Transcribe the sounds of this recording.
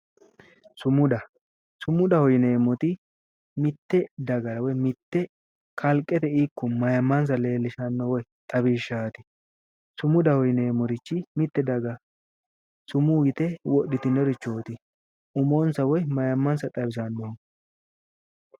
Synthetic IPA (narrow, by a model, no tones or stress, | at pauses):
sʊmʊd̪ɐ | sʊmːʊd̪ɐhɔjɪneːmːɔt̪ɪ | mɪt̪ːɛd̪ɐɡɐɾɐwɔjmɪt̪ːɛ | kʰɐlkʼːɛt̪ɛiːkːɔmɐjɐmːɐns̬ɐle̞ːlːɪʃɐnːɔwɔjt̪ʼɐbiːʃːaːt̪ɪ̥ | sʊmʊd̪ɐhɔjneːmːɔɾɪt͡ʃːɪmɪt̪ːɛd̪ɐɡɐ | sʊmuːɡɪt̪ɛwɔɗːɪt̪ɪnːɔɾɪt͡ʃːoːt̪ɪ | ʊmoːnsɐwɔjmɐjɐmːɐnsɐt̪ʼɐbɪsɐnːɔ